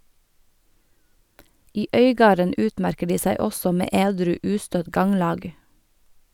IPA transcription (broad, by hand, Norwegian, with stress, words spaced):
ˈiː ˈœʏˌɡɑːɾən ˈʉːtˌmæɾkə ˈɖiː ˈsæɪ ˈɔsɔ ˈmeː ˈeːdɾʉː ˈʉːstœt ˈɡɑŋˌlɑːɡ